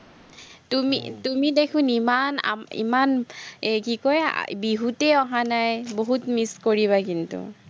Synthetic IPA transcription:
tumḭtumidekʰʊ̃nimana̰ḭmanɛkikoj̰biɦutɛɔɦanajboɦutmiskoɹiβakintṵ

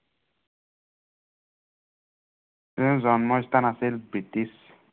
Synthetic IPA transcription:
t̪enzɔnmɔjst̪anaselbit̪is

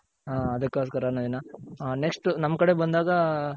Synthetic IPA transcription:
ɦaːɐd̪ɐkːoskɐɾɐːnoːd̪inɐneksʈnɐmːkɐɽe̞bɐnd̪aːɡɐ

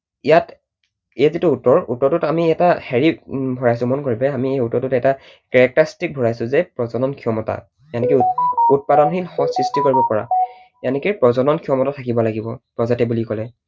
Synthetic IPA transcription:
ijat | ejzitʊːtɔɹutɔɹtʊtamiɛtaxeɹibʱɔɹajsʊmɔnkoɹibɛamiejutɔɹtʊtɛta | kɛɹɛk̚taɹstik̚bʱɔɹajsʊzɛpɹɔzɔnɔnkʰiɔmɔta̰ | janɛkiut̚padɔnɦilxɔ̃sɹistikoɹibɔpɔɹa̰ | janɛkipɹɔzɔnɔnkʰijɔmɔtatʰakibɔlaɡibɔpɹɔzatɛbulikɔlɛ

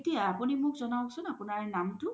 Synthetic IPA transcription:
tijaːpunimʊkzɔnaw̃ksʰʊnapunaɹnamtʊ

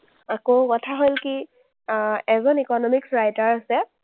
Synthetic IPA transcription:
akokɔtʰaɦolki | ɛzɔnikɔnɔmiksɹajtaɹasɛ

